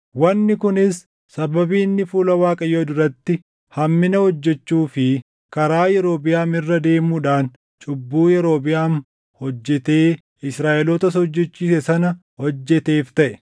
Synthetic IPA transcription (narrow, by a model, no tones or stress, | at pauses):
wɐnːɪkʊnɪsː | ɐbɐbiːnːɪfuːlɐwaːkʼɐjoːd̪ʊɾɐt̪ːɪ | hɐmːɪnɐhɔd͡ʒːɛt͡ʃːuːfɪ | kɐɾaːjɛɾo̞ːbɪjaːmɪrːɐd̪e̞ːmuːᶑaːn | t͡ʃʼʊbːuːjɛɾo̞ːbɪjaːn | hɔd͡ʒːɛt̪e̞ː | ɪsɾaːʔɛlot̪ɐsɔd͡ʒːɛt͡ʃːiːsɛsɐnɐ | hɔd͡ʒːɛt̪e̞ːft̪ɐʔɛ̥